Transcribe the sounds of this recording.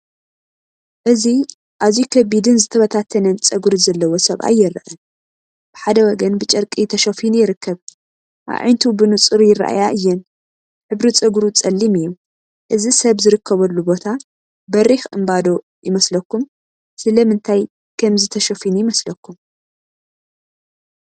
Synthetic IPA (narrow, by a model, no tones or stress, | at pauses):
ʔɨzi | ʔaβzikʰɐbid̪ɨnzɨt̪ʰɐβɐt̪ʰat̪ʰːɐnɐt͡sʼɐɡɾizɐlːɐwo̞sɐβa̰jːɪɾɐ̰ʔɐn | b̥ɨħad̪ɐwɔɡɐnbɨt͡ʃʼɐɾkʼit̪ʰɐʃofinjɪɾɨkʰːɐβ | ʔa̰βʕa̰jnt̪ʰubɨnut͡sʼɨɾjɪra̰ʔa̰jaʔɨjːɛn | ħɨβɾit͡sʼɐɡɾut͡sʼɐlːimɨjːu | ʔɨzisɐβzɨɾɨkʰːɐβɐlːubo̞t̪ʰa | bɐɾixʔɨmbad̪o̞ | jɪmɐslɐkːum | sɨlɐmɨnt̪ʰaj | kʰɐmzɨt̪ʰɐʃofinjɪmɐslɐkːum